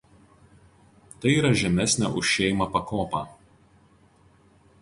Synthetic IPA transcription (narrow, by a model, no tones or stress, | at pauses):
t̪ɐɪiːɾɐʒʲɛmʲæsʲnʲæ̰ʔʊʃʲʃʲɛːmɐpɐkoːpɑː